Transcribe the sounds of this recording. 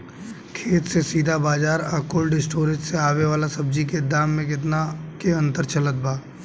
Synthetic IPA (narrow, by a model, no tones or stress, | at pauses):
kʰeːt̪sesiːd̪ʱabaːd͡ʒaːɾakoːlɖɪsʈoːɾɪd͡ʒseaːʋeʋaːlasɐb̚d͡ʒiked̪aːmːẽk̬ɪt̪̬nakeɐ̃nt̪əɾt͡ʃɐlət̪̚bʱaː